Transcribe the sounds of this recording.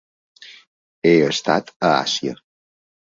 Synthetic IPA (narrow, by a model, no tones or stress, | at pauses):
eəst̪a̰t̪əa̰sjə̰